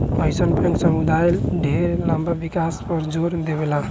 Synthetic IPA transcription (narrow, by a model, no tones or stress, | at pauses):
məjsənpə̃nsəmud̪ajlɖʱeɾlambʱabikaspəɾd͡ʒoɾd̪ebela